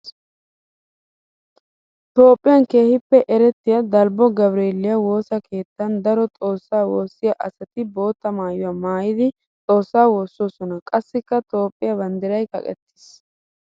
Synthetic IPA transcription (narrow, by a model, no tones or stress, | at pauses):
t̪o̞ːpʼːɪjɐnke̞ːhɪpːɛʔɛɾɛt̪ːɪjɐd̪ɐlbɔɡɐbɾeːlːɪjɐwo̞ːsɐkʰe̞ːt̪ːɐnd̪ɐɾɔt̪ʼo̞ːsːaːwoːsːɪjɐʔɐsɐt̪ɪbo̞ːt̪ːɐmaːjʊwaːmaːjɪd̪ɪ | t͡sʼo̞ːsːaːwo̞ːsːosɔnɐkʼɐsːɪkːɐt̪o̞ːpʼːɪjɐbɐnd̪ɪɾɐjkɐ̰kʼɛ̰t̪ːɪ̥s